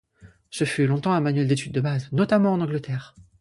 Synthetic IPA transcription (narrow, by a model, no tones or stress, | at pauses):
səfylɔ̃t̪ɑ̃amanɥɛld̪et̪yd̪ːəbaznɔt̪amɑ̃ːnɑ̃ɡlət̪ɛːʁ